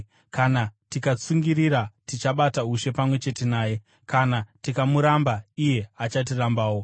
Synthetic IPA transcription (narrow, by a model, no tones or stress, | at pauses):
kanatikat͡suŋɡiɾiɾatit͡ʃaɓatauʃe̞pamwe̞t͡ʃe̞te̞naːje̞ | kanatikamuɾambaije̞at͡ʃat̬irambaːwo̞